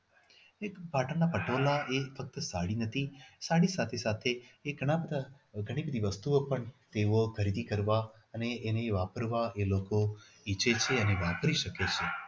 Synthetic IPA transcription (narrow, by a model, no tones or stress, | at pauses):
ekpaʈəɳnːapəʈʰolaefək̚t̪əsaɽinət̪ʰisaɽisat̪ʰesat̪ʰeːɡʱəɽ̃abəd̪ʱa | ɡʱəɽ̃ibəd̪ʱiʋəst̪uopəɳt̪eokʰəɾid̪ikəɾʋa | əneːneʋapəɾʋaeloko | it͡ʃet͡ʃʰeəneʋapɾiʃəket͡ʃʰe